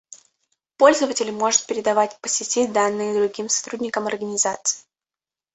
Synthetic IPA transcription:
po̞lʲzəvətʲɪlʲmo̞ʐɨt̪̚pʲɪɾʲɪd̪ɐvatʲpəsʲɪtʲid̪anːɨjəd̪ɾʊɡʲimsɐ̥t̪ɾudʲnʲɪkəmɐrɡənʲɪzat̪sɨ̥ɪ

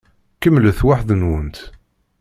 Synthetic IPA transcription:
kəmːləθwaħðənwənt̪

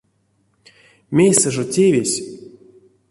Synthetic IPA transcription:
mʲejsɛʐotʲevʲesʲ

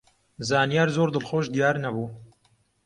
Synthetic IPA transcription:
zaːnijaːɾzoːɾd̪ɨlxoːʃd̪ijaːɾnɐbuː

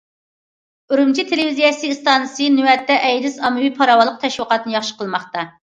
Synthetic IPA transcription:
øɾumt͡ʃʰit̪ʰelɪvizijɛsɨst̪ɑnsɨnywɛt̪ːɛʔɛjd̪ɪsɑmɨwipʰɑɾɑwɑlˠːəq̚t̪ʰɛʃwəqɑt̪nɨjɑχʃə̥qʰəlˠmɑχt̪ɑ

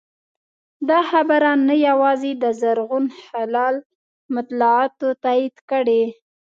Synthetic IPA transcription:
d̪ɑxabaɾanːajawɑzed̪əzaɾɣunhalɑl | mat̪lɑɑt̪ot̪ɑid̪kəɽe

